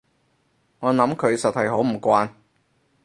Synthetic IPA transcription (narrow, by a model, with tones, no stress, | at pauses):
ŋɔː˨˧nɐ˨˥mkʰɵ˨˧ɥsɐ˨t̚hɐ˨jɦo˨˥wm̩˨˩kʷaː˧n